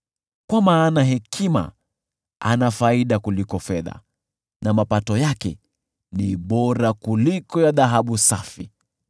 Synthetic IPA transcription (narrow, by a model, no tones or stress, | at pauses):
kwamaːnaɦɛkʰima̰ | anafaiɗakulikɔfɛða̰ | namapatɔjakɛ̰ | niɓɔɾakulikɔjaðaɦaɓusafi